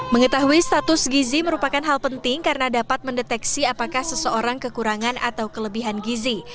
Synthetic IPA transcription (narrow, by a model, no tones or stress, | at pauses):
məŋət̪aɦuist̪at̪ʊsɡiziməɾupakanɦalpənt̪ɪŋkarənadapat̪̚məndɛt̪ɛksiapakahsəsəoɾaŋkəkuɾaŋanʔa̰t̪awkələbiɦanɡizi